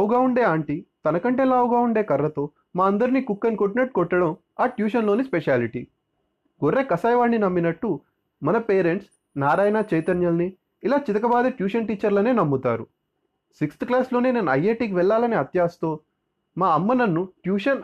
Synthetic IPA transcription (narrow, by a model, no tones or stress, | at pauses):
uɡaːuɳɖe̞ːaːɳʈit̪ɐnɐkɐɳʈe̞ːlaːʋuɡaːuɳɖe̞ːkɐrːɐt̪o̞ː | maːɐnd̪ɐɾinikukːɐnkoʈinɐʈ̚kɔʈːɐɽɐm | aːʈjuːʃɐnlo̞ːnispeʃaːliʈḭ | ɡoɾːe̞ːkɐsaːjʋaːɳːinɐmːinɐʈːu | mɐnɐpeːɾe̞ɳʈs | naːɾaːjɐnaːt͡ʃɐjt̪ɐnjɐlniː | laːt͡ʃit̪ɐkɐbaːd̪eʈjuːʃɐnʈiːt͡ʃːɐɾlɐne̞ːnɐmːut̪a̰ːɾu | sikst̪klaːsloːneːneːnuɐ̰jːeːʈikʋɛɭːaːlɐniɐt̪jaːst̪o̞ː | maːɐmːɐnɐnːuʈjuːʃɐn